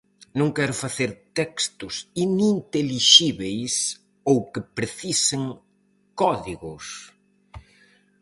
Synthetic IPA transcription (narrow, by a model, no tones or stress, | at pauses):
nõŋkɛɾʊfaθeɾt̪ɛkst̪ʊsinint̪eliʃiβejs | owkɪpɾeθiseŋ | kɔðiɣʊs